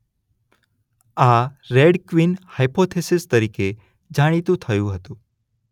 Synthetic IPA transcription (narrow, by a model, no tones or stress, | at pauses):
aɾeɽkʋinhajpot̪ʰesɪst̪əɾike | d͡ʒaɽ̃it̪ũt̪ʰəjũɦət̪ũ